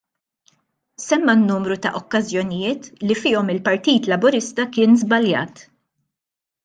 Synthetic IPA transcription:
sɛmːɐnːuːmɾut̪ɐʔɔkːɐzjɔnɪjɪːt̪lifɪːɔmɪlpɐɾt̪iːt̪lɐbʊɾɪst̪ɐkɪːnzbɐljɐ̰ːt̪

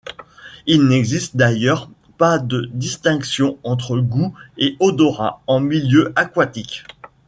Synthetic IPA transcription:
ilnɛɡzist̪̚d̪ajœʁ | pad̪əd̪ist̪ɛ̃ksjɔ̃ɑ̃t̪χəɡueɔd̪ɔʁa̰ɑ̃miljøakwat̪ik

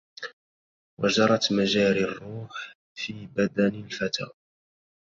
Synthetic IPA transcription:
wad͡ʒɑɾˤɑt̪maʒaːɾarːuːħ | fiːbad̪anɪlfat̪ʰa̰ː

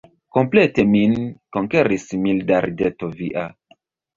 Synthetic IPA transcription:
kompleteminkoŋkeɾismildaɾdetoviʔa

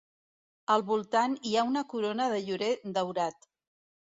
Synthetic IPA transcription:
əlˠβulˠt̪aniaunəkuɾonəðəʎuɾed̪əwɾat̪

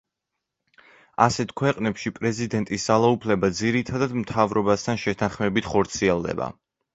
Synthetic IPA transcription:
asɛt̪ʰkʰwɛqʼnɛpʃipʼɾɛzid̪ɛnt̪ʼisz̥alˠaupʰlɛbad̪ziɾit̪ʰad̪ad̪mt̪ʰavɾɔbast̪ʰanʃɛt̪ʰanχmɛbit̪ʰχɔɾt̪sʰiɛlˠd̪ɛ̰ba̰

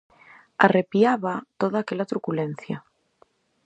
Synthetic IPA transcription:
arepiaβat̪oðaːkelat̪ɾukulen̟θja

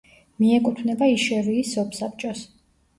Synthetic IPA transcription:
miɛkʼut̪ʰvnɛbaiʃɛviːsɔpʰsap̚ʰʼt͡ʃʼɔs

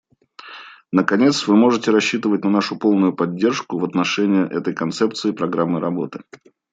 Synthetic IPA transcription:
nəkɐnʲe̞t̪svɨmo̞ʐɨtʲɪɾɐɕːit̪ɨvət̚ʲnɐnaʂʊpo̞lˠnʊjʊpɐdʲːe̞rʂkʊvət̪nɐʂɛnʲɪjəʔɛt̪əjkɐnt̪sɛp̚t̪sɨɪpɾɐɡɾamːɨɾɐbo̞t̪ɨ

